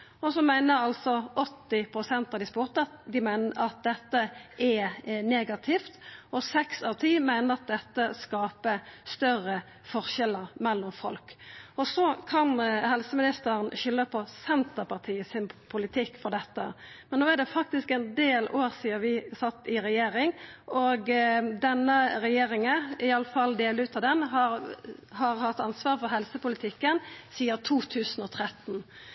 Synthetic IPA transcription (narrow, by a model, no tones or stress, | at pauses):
ɔsɔmæɪnəɑlsɔʔɔt̪ːɪpʰɾʊsɛnt̪ɑd̪ɪspʊʁt̪ɑd̪ɪmæɪnəɑt̪̚d̪ɛt̪ːəʔɛneːɡɑt̪ʰɪft̪ɔsɛksɑʁt̪ʰiːmæɪnəɾɑt̪̚d̪ɛt̪ːəskɑːpəst̪œrə | fɔʁʃɛlːəɾmɛlːɔmfɔ̰lkɔsɔkʰɑnhɛlsəmɪnɪst̪əɾənɕʏlːəpʰɔsɛnt̪əpɑʁt̪ʰiːəsɪnpʰʊlɪt̪ʰɪkːfɔʁd̪ɛt̪ːə̰mɛnnoːæd̪ɛfɑk̚t̪ɪskɛnd̪eːloːɾsiːəɾʋɪsɑt̪ːɪɾɛjeːɾɪŋʔɔɡd̪ɛnːəɾɛjeːɾɪŋəɪɑlːəfɑld̪eːləʉːt̪ɑd̪ɛnɦɑɾhɑʁhɑt̪ːɑnsʋɑːɾfɔɾɦɛlsəpʊlɪt̪ʰɪkːənsiːət̪ʰuːt̪ʰʉːsn̩ɔt̪ʰɾɛt̪ːn̩